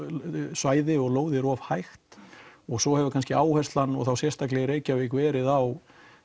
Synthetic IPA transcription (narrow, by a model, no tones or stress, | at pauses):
svaːjðɪɔɣloːwðɪɾɔv̥hajxt̪ɔɣsɔhɛvʏkʰanscɪaːwhɛst̪lanːɔ̰ɣθawsjɛst̪ak̬lɛɣɪɾeːjcavɪkvɛːɾɪðaw